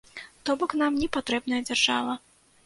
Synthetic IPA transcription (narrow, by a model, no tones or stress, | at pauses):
t̪ɔbɔkn̪amnʲɛpat̪ɾɛbnɐjɐd͡zʲarʐa̰vɐ